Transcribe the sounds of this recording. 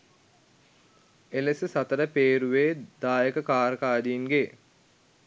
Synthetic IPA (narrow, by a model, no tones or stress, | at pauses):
elesəsat̪əɾəpeːɾuʋeːd̪aːjəkəkaːɾəkaːd̪iːnɡe